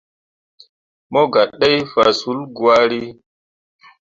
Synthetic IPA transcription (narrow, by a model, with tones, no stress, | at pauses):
mɔ˦ɡa˨ɗːe˦jfa˨su˨˦lɡu˨a˦ɾi˦